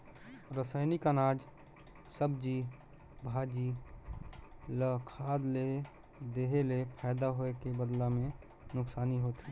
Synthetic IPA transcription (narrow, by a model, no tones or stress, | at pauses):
ɾəsaːɪnikanaːd͡ʒ | səbd͡ʒi | bʱaːd͡ʒi | ləkʰaːd̪le | d̪eːɦelepʰaːd̪aɦoekebəd̪lamẽ | nʊksaːniɦot̪ʰi